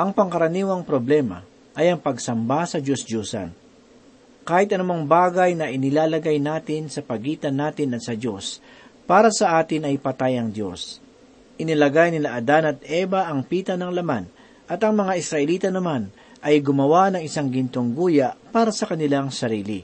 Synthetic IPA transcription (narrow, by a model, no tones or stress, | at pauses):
ʔɐŋpɐŋkɐɾɐniːwɐŋpɾoblɛːmɐ̰ | ʔɐjɐŋpɐɡsɐmbasɐd͡ʒosd͡ʒuːsɐ̰n | kaːhɪt̪ɐnʊmaŋbaːɡɐjnɐʔɪnɪlaːlɐɡajnaːt̪ɪnsɐpɐɡiːt̪ɐnːaːt̪ɪnɐt̪sɐd͡ʒo̞s | paːɾɐsɐʔaːt̪ɪnɐjpɐt̪ajɐŋd̪jo̞̰s | ʔɪnɪlɐɡajnɪlaʔɐd̪anɐt̪̚ʔɛbɐʔɐŋpiːt̪ɐnɐŋlɐman | ʔɐt̪ɐŋmɐŋaʔɪsɾɐʔɛliːt̪ɐnɐman | ʔɐjɡʊmɐwanɐŋɪsaŋɡɪnt̪oŋɡuːjaʔpaːɾɐsɐkɐnɪlaŋsɐɾiːlɪ